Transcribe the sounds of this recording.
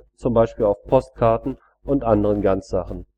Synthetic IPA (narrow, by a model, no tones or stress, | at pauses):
t͡sʊmbaɪʃpiːlaʊfpʰɔst̚kʰaɐtn̩ | ʔʊntʔandəʁənɡant͡sz̥aχn̩